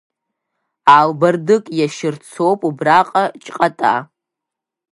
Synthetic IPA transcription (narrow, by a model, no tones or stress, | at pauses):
albardɨkʼjaʃɪrt͡sʰowpʼubraqʼat͡ʃʼqʼatʼa̰